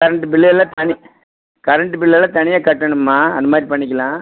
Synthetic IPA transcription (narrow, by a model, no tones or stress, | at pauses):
kɐɾɐɳʈɯpɪɭːɪɛlːãːt̪ɐɳi | kɐɾɐɳʈːɯbɪɭːɪjɛlːãːt̪ɐɳɪjaːkɐʈːɐɳɯmːaːɐ̰nd̪ɐmaːd̪ɾipɐɳːɪk̬ʲːɐlãː